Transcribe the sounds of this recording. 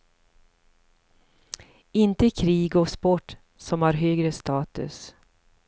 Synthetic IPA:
ɪnt̪əkʰɾiːɡɔkspɔʈː | sɔmhaɾɦøːɡɾəst̪ɑːt̪ɵ̰s

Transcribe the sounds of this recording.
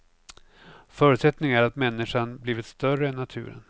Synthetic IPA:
fœːɾʉt̪sɛt̪nɪŋæɾat̪mɛnːɪʂanbliːvɪt̪st̪œrəɛnːat̪ʰʉ̟̰ːɾə̰n

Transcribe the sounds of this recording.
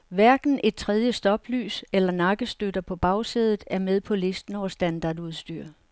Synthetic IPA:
ʋæɐɡ̥n̩ʔe̝d̥̚t͡sʰʁɛð̞ˠjəsd̥ɒ̽b̥ly̰ːselɐnɑ̈ɡ̥əsd̥ød̥ɐpʰɒ̽b̥ɑ̈ʊseð̞ˠð̩ˠæɐmeð̞ˠpʰɒ̽le̝sd̥n̩ɒʊsd̥ænd̥ɑ̈ːduð̞ˠsd̥y̰ɐ̰

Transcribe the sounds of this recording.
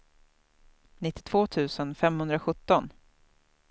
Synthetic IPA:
nɪt̪ːɪ̥t̪ʰv̥oːt̪ʰʉ̟ːsənfɛmhɵnd̪ɾaɧɵt̪ːɔn

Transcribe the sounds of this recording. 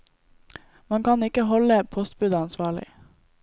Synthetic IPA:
mɑŋkɑnɪkəhɔləpʰɔst̪̚bʉd̪ɑɑnsʋɑːɭɪ̰

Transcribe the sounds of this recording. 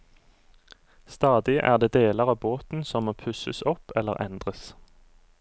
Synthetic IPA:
st̪ɑːd̪ɪʔæ̰ːʁd̪eːd̪eːləʁɑːboːt̪n̩sɔmːoːpʰʉsəsɔpʰɛlə̰ʁɛ̰nd̪ʁəs

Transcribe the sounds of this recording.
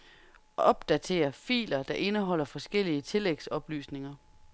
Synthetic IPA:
ɒɒ̽b̥̚d̥æt͡sʰe̝̰ːɐfḭːlɐd̥ɑ̈ʔe̝nəɦɒ̽l̰ɐfɒ̽sɡ̥el̰iət͡sʰe̝leɡ̥sɒ̽b̥ly̰ːsne̝ŋɐ

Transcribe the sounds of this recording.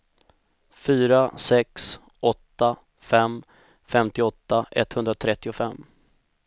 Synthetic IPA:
fyːɾasɛks | ʔɔt̪ːa | fɛm | fɛmt̪ɪɔt̪ːaɛ̰t̪ːhɵnd̪ɾat̪ʰɾɛt̪ːɪʊfɛmː

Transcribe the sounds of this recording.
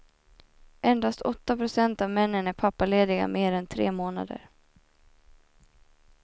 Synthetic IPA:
ʔɛnd̪ast̪ɔt̪ːapɾʊsɛnt̪avmɛnːənæɾpʰapːaleːd̪ɪɡa̰meːɾɛnt̪ʰɾḛːmoːna̰d̪ə̰ɾ

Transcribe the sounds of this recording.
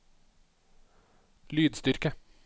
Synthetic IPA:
lyːd̪st̪ʏɾkə

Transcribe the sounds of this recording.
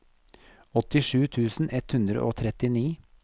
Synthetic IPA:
ɔt̪ɪʂʉːt̪ʰʉːsn̩ɛt̪hʉnd̪ɾə̰ʔo̰ːt̪ʰɾɛt̪ɪniː

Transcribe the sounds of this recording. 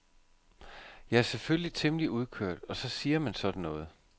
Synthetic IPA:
jɑ̈ɪæɐselføllit͡sʰe̝mliuð̞ˠkʰøɐ̰d̥ɒ̽sɒ̽siːɐmænsɒ̽d̥n̩nɔ̽ːð̞̩ˠ

